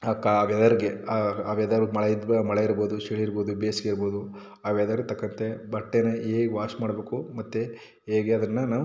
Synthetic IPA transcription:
ɐkːaɐʋɛd̪ɐɾiɡeɐɐʋɛd̪ɐɾumɐɭeid̪mɐɭeiɾboːd̪uʃiɭiiɾboːd̪ubeːsɡeiɾboːd̪u | ɐʋɛd̪ɐɾt̪ɐkːɐnt̪ebɐʈːenɐeːɡeʋaːɾsmaːɽbeːkumɐt̪ːe | eːɡeɐd̪ɐnːɐnaː

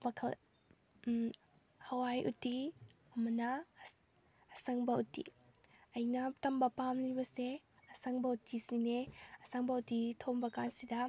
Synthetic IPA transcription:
mɐkʰɐl | hɐwajʔṵti | ɐmɐnɐ | sɐŋbɐutḭɐjnɐtɐmbɐpamlibɐse | ɐsɐŋbɐutisineɐsɐŋbɐutitʰombɐkansidɐ

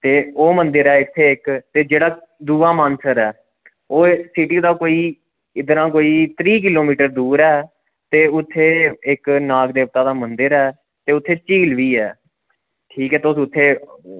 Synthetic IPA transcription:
t̪eːoːmənd̪ɪɾɛːɪt̪ʰːeːɪkt̪eːd͡ʒeːɽaːd̪uːaːmaːnsəɾɛː | oːsɪʈiːd̪aːkoːiː | ɪd̪ɾãːkoːiːt̪ɾiːk̬ɪloːmiːʈəɾd̪uːɾɛː | t̪eːʊt̪ʰːeːɪknaːɡd̪eːp̚t̪aːd̪aːmənd̪əɾɛː | t̪eːʊt̪ʰːeːt͡ʃiːlʋiːɛ̰ː | ʈʰiːkɛːt̪ʊːsʊt̪ʰːeː

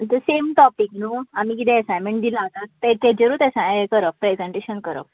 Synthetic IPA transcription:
t̪əsemʈɔpiknuam̤iːkit̪ʰɛ̃əsajmẽɳʈd̪ilat̪at̪t̪et̪ed͡ʑəɾuːt̪ɛsãkəɾəppːɾezeɳʈeɕənkəɾə̰p̚

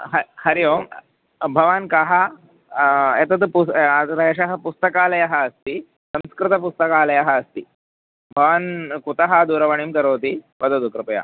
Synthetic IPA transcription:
ɦɐhɐɾijo | bʱɐʋaːnkɐɦɐ | et̪ɐt̪put̪ɐt̪ɐɐɕɐɦɐ̆pust̪ɐkaːlɐjɐɦɐːst̪iː | sɐ̃mskɾɪt̪ɐp̬ust̪ɐkaːlɐjɐɦɐːst̪iː | bʱɐʋankut̪ɐɦɐd̪uːɾɐʋɐɳ̃imkɐɾoːt̪ipɐd̪od̪ukɾɐpɐja̰

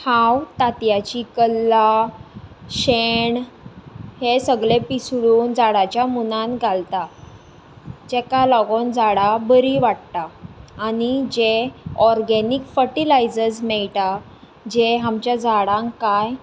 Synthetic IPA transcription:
hawt̪at̪jat͡ɕikəlːa | ɕeɳ | hesəɡɭepisɽuːnd͡zaɽat͡ɕjamunanɡʱalt̪a | d͡ʑɛkalɔɡond͡zaɽabəɾiʋaɽt̪aːnid͡ʑeɔɾɡɛnikfəɾʈilajd͡zəɾsmɛɭta | d͡ʑeɦamt͡ɕjad͡zaɽãŋkaj

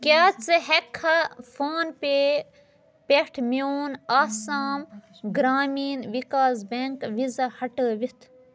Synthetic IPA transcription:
kʲaːt͡sɨɦekʰːɐfʰaːnpeː | peʈʰmjoːnaːsaːm | ɡɾaːmiːnʋikaːzbeŋkʋizɐhɐʈəːʋit̪ʰ

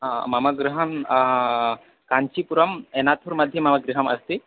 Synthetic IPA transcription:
mɐmɐɡɾuɦɐm | kaɲt͡ʃipuɾɐmenat̪ʰuɾmɐd̪ʱjɐmɐmɐɡɾiɦɐmɐst̪i

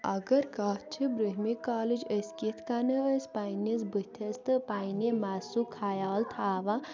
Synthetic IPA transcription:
ɐɡɐɾkɐt͡ʃʰibɾuɦmikaːlid͡ʒəskit̪ʰkanɐɐspajnisbɨt̪ʲʰɐst̪ɨpajnemaːsukʰaːjaːlt̪ʰaːʋa

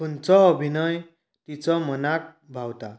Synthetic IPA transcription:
punt͡sɔːbʱinʌj | t̪it͡sɔmənak̚ | bʱawt̪a

